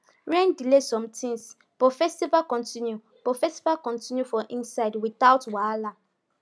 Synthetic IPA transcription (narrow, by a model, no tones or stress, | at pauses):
ɹɛ̃ndilesɔ̃mtʰĩŋs | bɔfɛstivalkɔ̃ntʰĩnju | b̥ɔfɛstivalkɔ̃ntĩnjufɔ̃ʔĩnsaɪdwiθaʊtwala